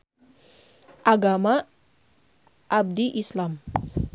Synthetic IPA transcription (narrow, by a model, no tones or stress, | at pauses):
ʔaɡama | ʔab̚diʔislam